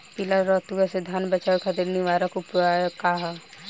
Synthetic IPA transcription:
pilaɾːɔt̪uɡased̪ʱjaːnbət͡ʃaːkʰad̪elniʋaɾakupuakaɦ

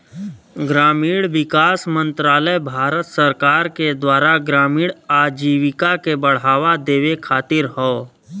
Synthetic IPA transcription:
ɡɾaːmiːɽʋɪkaːsmə̃nt̪ɾaːləjbʱaːɾət̪səɾkaːɾked̪waːɾaɡɾaːmiːɽaːd͡ʒiːʋɪkakebəɽ̤aːʋad̪eːʋekʰaːt̪ɪɾɦoː

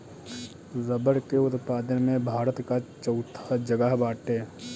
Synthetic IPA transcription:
zəbəɾkeʊt̪paːd̪ənmẽbʱaːɾət̪kat͡ʃəʊt̪ʰḁd͡ʒəɡəɦbaːʈeː

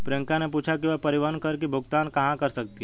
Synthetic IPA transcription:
pɾeŋkãnepuːt͡ʃʰak̬iʋəpəɾiʋankəɾk̬ibʱʊɡt̪ankɐɦãkəɾsək̚t̪i

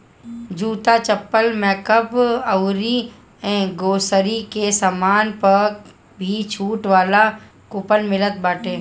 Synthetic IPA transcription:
d͡ʒuːt̪at͡ʃɐpːəlmɛːkəbɐʊɾi | ɛ̃ːɡoːsəɾikesaːmaːnpɐ | bʱit͡ʃʰuːʈʋaːla | kʊpənmɪlət̪̚baːʈʰeː

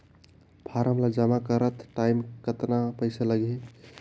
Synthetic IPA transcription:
bʰʱaɾəmlad͡ʒəmakəɾət̪ʈaimkət̪napəɪsaləɡe

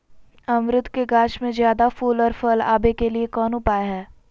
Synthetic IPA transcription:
ɐmɾɪt̪keɡaːʃmẽzjaːd̪afuːlɔːɾfəla̰ːbekeliekɔːnʊpaːeɦɛː

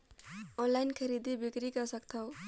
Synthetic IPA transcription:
ɔnlajnkʰəɾid̪ibikɾikəsəkt̪ʰaw

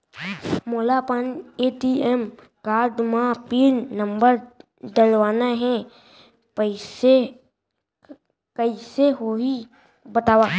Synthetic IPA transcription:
moːlapəneːʈiɛm | kaːɾɖmãpiːɾnə̃mbəɾ | d̪əlʋaːnaɦɛ̃ | pəɪse | kəiseɦoɦi | bət̪aːwaː

